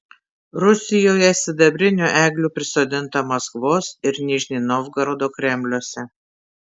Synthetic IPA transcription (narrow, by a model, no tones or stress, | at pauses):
ɾʊsʲɪjoːjɛsʲɪd̪ɐbʲɾʲɪnʲuʔæːɡlʲuːpʲɾʲɪsoːd̪ʲɪnt̪ɐmɐskʋoːsɪɾnʲɪʒʲnʲiːnɔːʋɡɐɾoːd̪oːkɾʲɛmʲlʲuɔsʲɛ